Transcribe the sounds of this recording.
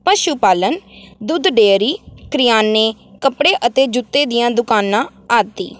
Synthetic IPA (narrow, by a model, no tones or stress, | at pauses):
pəʃuːpaːlənd̪ʊd̪ɖeːɾiːkɾɪjaːnːeːkəpɽeːʔət̪eːd͡ʒʊt̪ːeːd̪ɪjãːd̪ʊkaːnãːaːt̪ːḭː